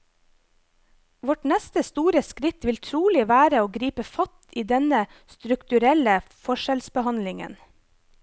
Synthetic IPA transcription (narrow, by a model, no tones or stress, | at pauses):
ʋɔʈnɛst̪əst̪uːɾəskɾɪt̪ʋɪlt̪ʰɾuːlɪʋæːɾəoːɡɾiːpəfɑt̪iːd̪ɛnəst̪ɾʉkt̪ʉɾɛləfɔʃɛlsbəhɑnlɪŋə̰n